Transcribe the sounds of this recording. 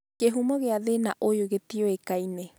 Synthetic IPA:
keɦumoɣeaðenaʔojoɡet̪ioekaine

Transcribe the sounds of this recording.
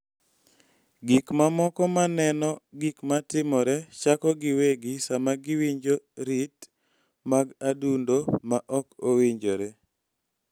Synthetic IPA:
ɡikmamɔkɔmanɛnɔɡikmatɪmɔɾɛt͡ʃakɔɡɪweɡisamaɡɪwiɲd͡ʒoɾit | maɡadundomaʔɔkowiɲd͡ʒoɾe

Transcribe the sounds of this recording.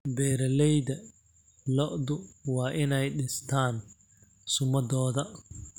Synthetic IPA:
bɛːɾɐlɛjðɐ | lɔʔd̪ʊwɑːʔɪnɛjɗɪst̪ʰaːn | sʊmɐdɔːðɐ

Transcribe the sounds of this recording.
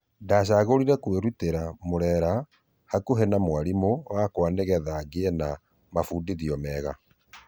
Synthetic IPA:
ndaːɕ̬aɣoɾiɾɛkweɾuteɾamoɾɛɾa | hakoɦɛnamwaɾimowakwaneɣɛðaɡena | mafuːndiðiɔmɛːɣa̰

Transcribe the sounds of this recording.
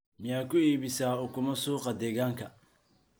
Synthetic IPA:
mɪjaːkʰʊiːβɪsaːʊkʰʊmɐsuːqɑd̪ɛːɣaːŋkʰɐ

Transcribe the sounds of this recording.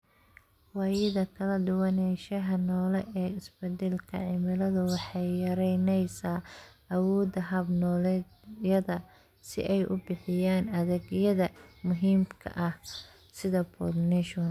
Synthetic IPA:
wɑːjɪðɐkʰɐlɐɖʊwɐnɛʃɐɦɐnɔːlɛʔɛːɪsbɛd̪ɛlkʰɐ̰ʕɪmɪlɐðʊwɑħɑjjɐɾɛjnɛjsaːʔɐwɔːd̪ɐɦɐbnɔːlɛ | jɐðɐ | sɪ̰ʔɛjʔʊ̰bɪħɪjaːnɐðɛɡjɐðɐmʊɦiːmkʰɐ̰ʔɐh | sɪðɐbʰɔ̰rnɛʃn

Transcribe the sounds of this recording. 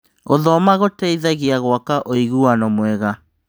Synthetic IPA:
oðɔmaɣotɛiðaɣiaɣwakaʔoiɣuanɔmwɛɣa

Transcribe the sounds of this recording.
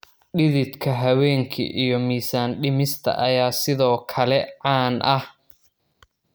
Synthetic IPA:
ɗɪðɪd̪kʰɐɦɐwɛːŋkʰḭʔijɞmiːsaːnɖɪmɪst̪ʰɐ̰ʔɐjaːsɪðɔːkʰɐlɛʕɑːnʔɐh

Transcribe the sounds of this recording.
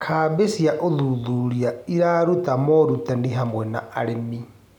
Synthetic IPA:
kʰabesiaʔoðuðuɾiaiɾaɾut̪amɔɾut̪andiɦamwɛna̰aɾemi

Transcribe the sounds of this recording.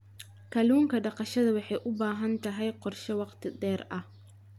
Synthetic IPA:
kʰɐluːŋkʰɐɖɑqɑʃɐðɐwɑħɑjʔʊbaːɦɐnt̪ʰɐɦɛjqɔrʃɐwɑqt̪ʰɪd̪ɛːrʔɐh

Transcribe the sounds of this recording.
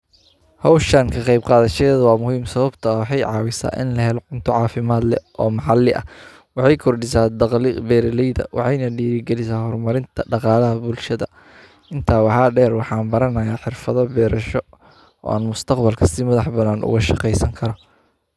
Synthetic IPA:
hɑwʃɐŋkʰɐqɑjb̚qɑːðɐʃɐɛːðɐwɑːmʊhiːmsɐβɐbt̪ʰɐɐwɑħɑjʕɑːwɪsa̰ːʔɪ̰nlɐɦɛlɔʕʊnt̪ʰɔʕɑːfɪmaːd̪lɛ̰ʔɔːmɑħɑlɪʔɐ̰ | wɑħɑjkʰɔrɖɪsaːd̪ɑqlbɛːɾlɛjðɐ̰wʔɑ̰ħɑjnɐɖiːɾɪɡɛlɪsaːhɔrmɐɾɪnt̪ʰɐɖɑqɑːlɐɦɐbʊlʃɐðɐ̰ | ɪnt̪ʰaːwɑħɑːɖɛːrwɑħɑːnbɐɾɐnɐjaːħɪrfɐðɐbɛːɾɐʃɔ | ɔ̰ːaːnmʊst̪ʰɑqbɐlkʰɐsɪmɐðɑħbɐnaːnʔʊ̰ɣɐʃɑqɛjsɐŋkʰɐɾɔ

